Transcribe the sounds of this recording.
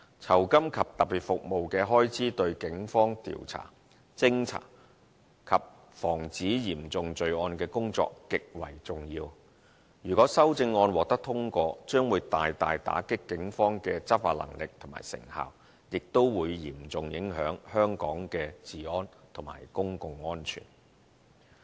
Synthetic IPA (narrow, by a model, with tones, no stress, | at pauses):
t͡sʰɐ˨˩wkɐ˥mkʰɐ˨p̚t̪ɐ˨˩piː˨˩t̚fʊ˨k̚mo˨wkɛː˧ɦɔː˥jt͡sʰiː˨˥t̪ɵ˧ɥkɪ˨˥ŋfɔː˥ŋt̪ḭː˨wt͡sʰa̰ː˨˩ | t͡sɪ˥ŋt͡sʰa̰ː˨˩ | kʰɐ˨p̚ | fɔː˨˩ŋt͡siː˨˥jiː˨˩mt͡sʊ˨ŋt͡sɵ˨˧ɥɔː˧nkɛː˧kʊ˥ŋt͡sɔ̰ː˧kːɪ˨k̚wɐ̰˨˩jt͡sʊ˨ŋjiː˧w | jyː˨˩kɔː˨˥sɐ˥wt͡sɪ˧ŋːɔː˧nwɔː˨k̚t̪ɐ˥k̚t̪ʰʊ˥ŋkʷɔː˧t͡ʃœː˥ŋwuː˨˧jt̪aː˨jt̪aː˨jt̪a̰ː˨˥kɪ˥kːɪ˨˥ŋfɔː˥ŋkɛː˧t͡sɐ˥t̚faː˧t̚lɐ̰˨˩ŋlɪ˨k̚t̪ʰʊ˨˩ma̰ː˨˩jsɪ̰˨˩ŋha̰ː˨w | jɪ˨k̚t̪o˥wwuː˨˧jjiː˨˩mt͡sʊ˨ŋjɪ˨˥ŋɦœː˨˥ŋhœː˥ŋkɔː˨˥ŋkɛː˧t͡siː˨ɔː˧˥nt̪ʰʊ˨˩ŋma̰ː˨˩jkʊ˥ŋkʊ˧ŋːɔː˥nt͡ʃʰy̰ː˨˩n